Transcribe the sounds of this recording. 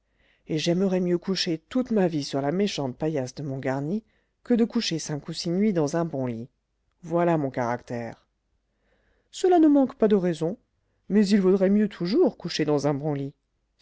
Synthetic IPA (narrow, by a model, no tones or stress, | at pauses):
eʒɛməʁɛmjøkuʃet̪ut̪mavisyʁlameʃɑ̃t̪̚pajasd̪əmɔ̃ɡaʁni | kəd̪əkuʃesɛ̃kusinɥid̪ɑ̃zɛ̃bɔ̃li | vwalamɔ̃kaʁakt̪ɛ̰ːʁ | səlanəmɑ̃kpad̪əʁɛzɔ̃ | mɛzilvud̪ʁɛmjøt̪ʰuʒuʁkuʃed̪ɑ̃zɛ̃bɔ̃li